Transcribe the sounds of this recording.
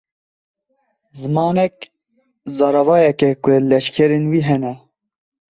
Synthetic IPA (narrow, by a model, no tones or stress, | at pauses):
zɨmɑːnɛk | zɑːɾɑvɑːjɛkɛkʊlɛʃkʰɛɾenwiːɦɛnɛ